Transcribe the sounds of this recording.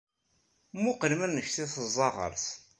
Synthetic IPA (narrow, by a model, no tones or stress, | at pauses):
mʊqlmænnːəçθiθəzˤːɑʁə̰ɾˤs